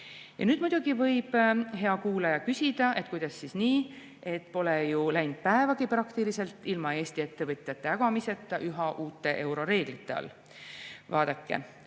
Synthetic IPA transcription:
jɑ̰nyːd̪mud̪̥ʲuɡ̥ivɤ̞jb̥he̞ɑkuːlɑjɑkysʲid̪̥ɑe̞t̪̚ˑkujd̪̥ɑsːisniː | e̞t̪ːˑpo̞lejulæjnd̪̥̚pæevɑɡ̥iprɑkt̪ilise̞lt̪ːˑilmɑe̞ːst̪ie̞t̪ːe̞vɤt̪ʲˑjɑt̪ːˑeɑɡ̥ɑmise̞t̪ˑːɑʔyɦɑʔuːt̪ːˑe̞ʔe̞wɾo̞ɾe̞ːɡ̥lit̪ːˑe̞ɑ̰l | vɑːd̪̥ɑkːḛ

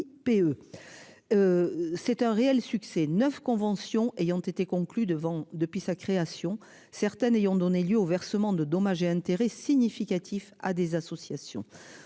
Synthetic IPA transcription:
peø | øsɛt̪ɛ̃ʁeɛlsyksɛnœfkɔ̃vɑ̃sjɔ̃ʔejɑ̃t̪et̪ekɔ̃klyd̪əvɑ̃d̪əpɥisakχeasjɔ̃ | sɛʁt̪ɛnejɔ̃d̪ɔneljøovɛʁsəmɑ̃d̪əd̪ɔmaʒeɛ̃t̪eʁɛsiɲifikat̪ʰifad̪ezasɔsjasjɔ̰̃

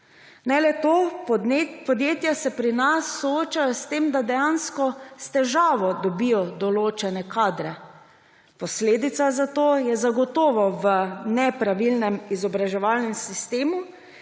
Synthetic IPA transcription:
nɛlɛt̪oː | pɔd̪jeːt̪jasɛpɾinasːɔoːt͡ʃajɔst̪eːmd̪ad̪ɛjanskɔst̪ɛʒaːʋɔd̪ɔbijɔd̪ɔloːt͡ʃɛnɛkʰaːd̪ɾɛ | pɔsleːd̪it̪sazat̪oːjɛzaɡɔt̪ɔːʋɔʋənɛpɾaʋilnɛmizɔbɾaʒɛʋaːlnɛmsist̪eːmu

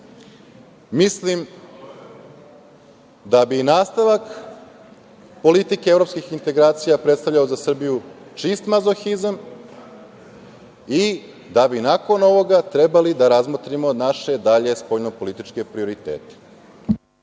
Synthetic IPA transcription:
mislim | d̪abinaːst̪aʋak | po̞lit̪ikeevɾo̞pskixint̪e̞ɡɾaːt̪sijapɾet̪st̪avʎaozasr̩bijut͡ʂist̪mazoxizam | i | d̪abinako̞no̞ʋo̞ɡat̪ɾe̞balid̪aɾazmot̪ɾimo̞naʃe̞d̪aʎe̞spoʎnopo̞lit̪it͡ʃke̞pɾio̞ɾit̪ḛːt̪e̥

